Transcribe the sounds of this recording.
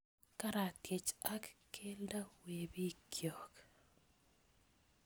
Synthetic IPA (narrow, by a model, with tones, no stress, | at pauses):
ka˦ɾa˨tjɪ˨t͡ʃa˦kke˦lda˦we˨bi˦kʰjo˨k